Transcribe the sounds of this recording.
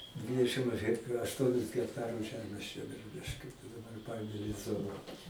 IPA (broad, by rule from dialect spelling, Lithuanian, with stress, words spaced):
ˈdʲʋʲɪdʲɛʃʲɪm ɐʃ ɣʲɛk ɐʃˈtuɔnʲɪs ɣʲɛkˈtɑːrʊs ˈʒʲæːmʲeːs t͡ʃʲɛ bʲɪˈrʊlʲɪʃʲkʲʊ dɐˈbɐr ˈpɐeːmʲeː lʲɛs ˈzoːnɐ